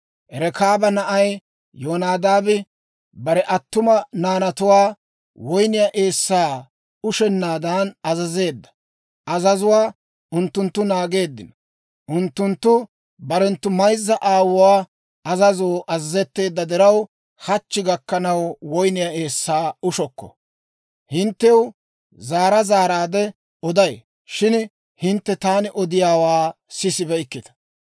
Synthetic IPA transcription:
ʔɛɾɛkaːbɐnɐʔɐj | joːnaːd̪aːbɛ | bɐɾɛʔɐt̪ːʊmɐnaːnɐt̪ʊwaː | wɔjnɪjɐʔeːsːaː | ʊʃɛnːaːd̪aːnɐzɐze̞ːd̪ːɐ̥ | ɐzɐzʊwaː | ʊnt̪ːʊnt̪ːʊnaːɡe̞ːd̪ːɪnɐ | ʔʊnt̪ːʊnt̪ːʊ | bɐɾɛnt̪ːʊmɐjzːɐʔaːwʊwaː | ɐzɐzoːʔɐzɐzɛt̪ːe̞ːd̪ːɐd̪ɛɾɐw | hɐt͡ʃːɪɡɐkːɐnɐwwɔjnɪjɐeːsːaːʊʃɔkːɔ̥̰ | hɪnt̪ːɛw | zaːɾɐzaːɾaːd̪ɛ | ɔd̪ɐj | ʃɪn | hɪnt̪ːɛt̪aːnɪʔɔd̪ɪjaːwaː | sɪsɪbɛɪkːɪt̪ɐ̥

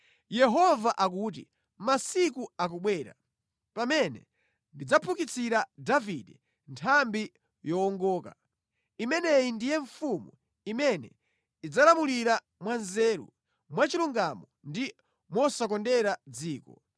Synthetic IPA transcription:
jɛɦɔvaʔak̬uːt̬ḭ | masikuak̬ɔɓwɛːɾa̰ | pamɛnɛ̰ | ndid͡zapʰukit͡siɾadavidɛ | ntʰambi | jɔːŋɡɔːka | imɛnɛjindijɛɱfumṵ | imɛnɛ̰ | id͡zalamuliɾa | mwanzɛːɾṵ | mwat͡ʃiluŋɡamɔndi | mwɔsakɔndɛɾad͡ziːkɔ

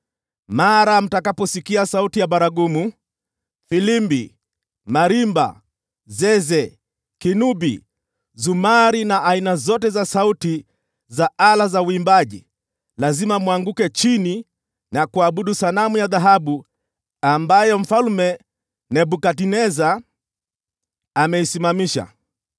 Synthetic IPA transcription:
maɾam̩takapɔsikiasautijaɓaɾaɡumu | filimbḭ | maɾimba̰ | zɛzɛ | kinubi | zumaɾinaʔainazɔtɛzasauti | zaalazauimbaʄi | lazimamwaŋɡukɛt͡ʃini | nakuaɓuɗusanamujaðaɦaɓu | ambajɔm̩falmɛ | nɛɓukatinɛza | mɛisimamiʃa̰

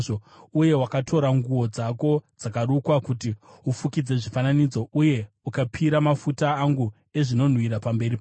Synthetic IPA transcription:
o | uje̞wakatʰo̞ɾaŋɡuwo̞d͡zako̞d͡zakarukwakuti | ufukid͡ze̞ʐifananid͡zo̞uje̞ | ukapʰiɾamafutaːŋɡu | e̞ʐino̞n̤wiɾapambe̞ɾip

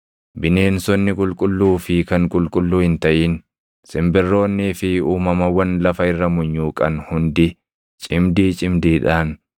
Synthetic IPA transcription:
bɪne̞ːnsɔnːɪkʼʊlkʼʊlːuːfɪkɐŋkʼʊlkʼʊlːuːhɪnt̪ɐʔiːn | sɪmbɪrːo̞ːnːiːfɪuːmɐmɐwːɐnlɐfɐɪrːɐmʊɲːuːkʼɐnhʊnd̪ɪ | t͡ʃʼɪmd̪iːt͡ʃʼɪmd̪iːᶑaːn

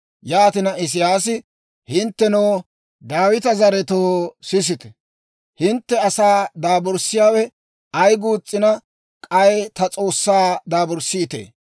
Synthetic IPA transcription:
jaːt̪ɪnɐɪs̬ɪjaːsɪ | hɪnt̪ːɛnoː | d̪aːwɪt̪ɐzɐɾɛt̪oːsɪs̬ɪt̪ɛ̥ | hɪnt̪ːɛɐsaːd̪aːbɔɾsɪjaːwɛ | ɐjɡuːt͡sʼːɪnɐ | kʼɐjt̪ɐt͡sʼo̞ːsːaːd̪aːbɔɾsːɪːt̪ḛː

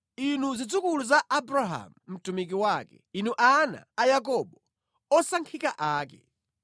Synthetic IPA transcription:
inuzid͡zukuluzaʔːbɾaɦa̰mum̩tumik̬iwakɛ̰inuʔana̰ajak̬ɔɓɔ | ɔsaŋkʰikaʔaːkɛ̰

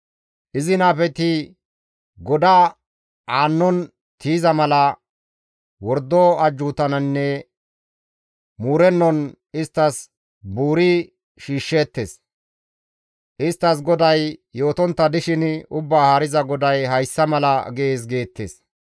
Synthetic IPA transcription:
ʔɪzɪnaːpɛt̪ɪ | ɡɔd̪aː | aːnːɔn | t̪iːzɐmɐlɐ | wɔɾd̪ɔɐd͡ʒːuːt̪ɐnɐnːɛ | muːɾɛnːɔn | ɪst̪ːɐs | buːɾɪ | ʃiːʃːe̞ːt̪ːeːs | ʔɪst̪ːɐs̬ɡɔd̪ɐjːo̞ːt̪ɔnt̪ːɐd̪ɪʃɪnʊbːaːhaːɾɪzɐɡɔd̪ɐjɦɐjsːɐmɐlɐɡeeːs̬ɡe̞ːt̪ːḛs

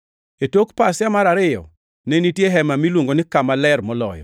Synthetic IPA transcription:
etokpasjamaɾaɾɪjɔ̰ | nenitjeɦɛmamilwoŋɡonɪkamalɛrmɔlɔ̰jɔ̰

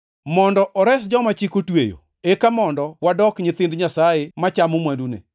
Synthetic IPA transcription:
mɔndɔʔɔɾɛsd͡ʒɔmat͡ʃikotwḛjo̰ | ekamɔndɔwadɔkɲɪt̪ɪndɲasajemat͡ʃamomwandunḛ

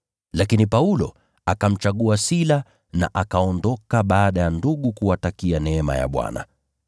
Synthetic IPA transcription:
lakinipaulɔ̰ | akam̩t͡ʃaɠuasila | na̰ʔakaɔndɔkaɓaːɗajanduɠukuwatakianɛɛma̰ja̰ɓwa̰na̰

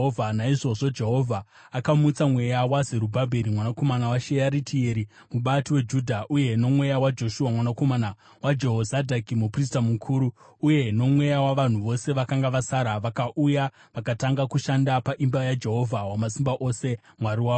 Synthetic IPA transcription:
ovʱanaiʐo̞ʐo̞d͡ʒe̞ɦo̞vʱa | akamut͡samwe̞jawazeɾubʱabʱe̞ɾimwanako̞manawaʃejaɾitʰieɾi | muɓatiwe̞d͡ʒudʱaʔuje̞no̞mwe̞jawad͡ʒo̞ʃuwamwanako̞mana | wad͡ʒe̞ɦozadʱakimupris̬tamukʰuːɾuː | je̞no̞mwe̞jawaʋan̤uʋo̞se̞ʋakaŋɡaʋasaɾaʋakaʔuja | ʋakataŋɡakuʃandapaʔimbajad͡ʒe̞ɦo̞vʱawamasimbaʔo̞se̞ | mwaɾiwaːo

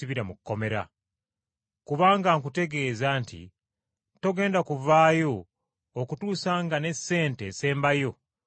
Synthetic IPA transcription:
iβiɾamukːo̞me̞ɾa̰ | kuβaːŋɡaŋkute̞ɡe̞ːzaːntḭ | to̞ɡe̞ːndakuvaːjo̞ː | kutuːsaːŋɡane̞sːe̞ːnte̞ːse̞ːmbajo̞

